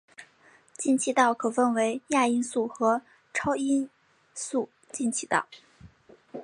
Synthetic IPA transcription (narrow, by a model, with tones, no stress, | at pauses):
t͡ɕi˥˧nt͡ɕʰi˥˧t̪ɑ˥˩ʊkʰɤ˨˩fə˥˩nwe˧˥ɪja˥˩i˥nsu˥˩xɤ˧˥ | ʈ͡ʂʰɑ˥ʊi˥n | su˥˩ | t͡ɕi˥˧nt͡ɕʰi˥˩t̪ɑ˥˩ʊ